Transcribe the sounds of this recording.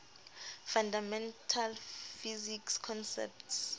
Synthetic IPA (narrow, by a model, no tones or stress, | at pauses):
fandamɛntʰalfizikskʰɔnsɛ̰p̚ts